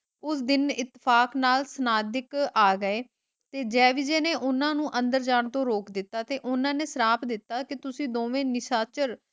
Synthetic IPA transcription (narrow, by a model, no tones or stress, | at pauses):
ʊsd̪ɪnɪt̪ːɪpʰaːknaːlsənaːd̪ɪkaːɡəeː | t̪eːd͡ʒɛːʋɪd͡ʒeːneːʔʊnãːnũːʔənd̪əɾd͡ʒaːɳt̪õːɾoːkd̪ɪt̪ːaːt̪eːʔʊnãːneːsəɾaːpd̪ɪt̪ːaːkɪt̪ʊsĩːd̪oːʋẽːnɪʃaːt͡ʃəɾ